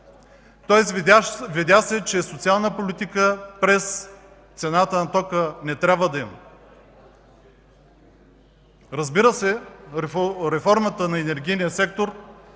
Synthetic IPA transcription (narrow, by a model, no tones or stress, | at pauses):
t̪ɔɛsvid̪jasɛt͡ʃɛsot̪sialˠnəpolit̪ikəpɾɛs | t̪sɛnat̪ənɐt̪ɔkənɛt̪ɾʲabvəd̪ɐimə | ɾɐzbiɾəsɛ | ɾɛfɔɾmət̪ənɐɛnɛɾɡʲijnijəsɛk̚t̪oɾ